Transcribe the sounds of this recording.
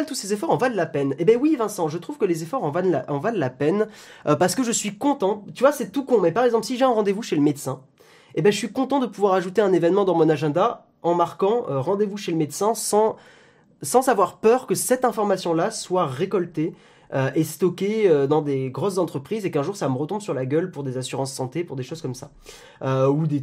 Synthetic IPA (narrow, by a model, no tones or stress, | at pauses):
lt̪usezefɔʁɑ̃vad̪əlapɛnebɛ̃wivɛ̃sɑ̃ʒət̪χuv̥kəlezefɔʁɑ̃vadla̰ʔɑ̃vallapɛnpaʁsə̥kəʒəsɥikɔ̃t̪ɑ̃t̪yvwasɛt̪ukɔ̃mɛpaʁɛɡzɑ̃plsiʒeɛ̃ʁɑ̃d̪evuʃeləmed̪sɛ̃ | ebɛ̃ʒəsɥikɔ̃t̪ɑ̃d̪əpuvwaʁaʒut̪eɛ̃nevɛnmɑ̃d̪ɑ̃mɔ̃naʒɛ̃d̪a | ɑ̃maʁkɑ̃øʁɑ̃d̪evuʃeləmed̪sɛ̃sɑ̃ | sɑ̃zavwaʁpœʁkəsɛt̪ɛ̃fɔʁmasjɔ̃laswaʁekɔlt̪e | øʔest̪ɔkʲeød̪ɑ̃d̪eɡʁɔszɑ̃t̪χəpχizekɛ̃ʒuʁsaməʁət̪ɔ̃mbsyʁlaɡʲœlpuʁd̪ezasyʁɑ̃sːɑ̃t̪epuʁd̪eʃozkɔmsa | øud̪e